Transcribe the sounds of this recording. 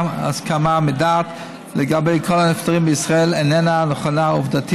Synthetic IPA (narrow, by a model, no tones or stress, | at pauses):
a̰skamamɪdaːt | lɛɡabejkʰolanɪftaʁimbəisʁaelenɛnanɔχanaʊvdatʰi